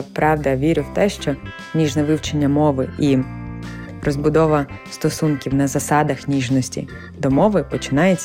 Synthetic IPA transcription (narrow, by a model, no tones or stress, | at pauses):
pɾɑwd̪ɐʋʲiɾʲɪwt̪ɛʃt͡ʃɔ | nʲiʒnɛʋɪwt͡ʃenʲːɐmɔʋɪʔi | rɔzbʊd̪ɔʋɐst̪ɔsunkʲiwnɐzɐsɑd̪ɐxnʲiʒnɔsʲtʲḭ | d̪ɔmɔʋɪpɔt͡ʃɪ̥nɑjet͡sʲ